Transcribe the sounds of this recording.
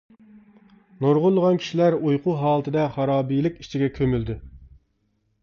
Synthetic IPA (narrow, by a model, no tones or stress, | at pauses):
noɾʁʊlˠːəʁɑnkʲʰi̥ʃilæɾujqʰuɦɑːlˠɨt̪ʰɨd̪ɛχɑɾɑːbijlˠɪkʲi̥ʃt͡ʃʰiɡʲɛkʲʰømyld̪ɪ